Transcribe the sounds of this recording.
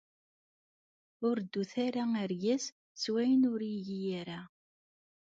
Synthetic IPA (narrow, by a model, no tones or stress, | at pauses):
ʊɾd̪ːuθaɾaəɾjæs | swæjənʊɾiʝijaɾa